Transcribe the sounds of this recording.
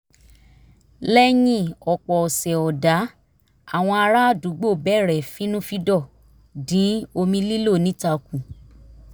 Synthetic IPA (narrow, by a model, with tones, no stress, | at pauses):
lɛ˦jĩ˦˨ɔ˨k͡pɔ˨ɔ˨sɛ˨ɔ˨da˨˦ | a˦˨w̃ɔ̃˧a˧ɾa˦a˦˨du˨˦ɡ͡bo˦˨bɛ˦˨ɾɛ˨fĩ˨˦nũ˦fi˦dɔ˦˨ | dĩ˨˦o˧mĩ˧li˦lo˦˨nĩ˨˦ta˧˨kũ˨